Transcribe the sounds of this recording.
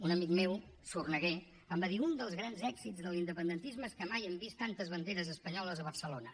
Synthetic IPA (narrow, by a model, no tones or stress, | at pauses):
unəmik̚mewsurnəɣe | əmbəðiund̪əlˠzɣɾanzɛɡzizðəlˠind̪əpənd̪ənt̪izməskəmajəmbist̪ant̪əzβənd̪eɾəzəspəɲɔləzəβ̞ərsəlonə